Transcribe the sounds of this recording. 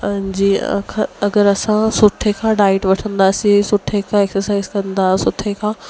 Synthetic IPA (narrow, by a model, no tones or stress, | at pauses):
d͡ʑḭːkʰãɐɡəɾɐsãsʊʈʰekʰãːɖaːɪʈʋɐʈʰə̃nd̪aːsisʊʈʰekʰãeksəɾsaːɪzkɐ̃nd̪aːsʊʈʰekʰãː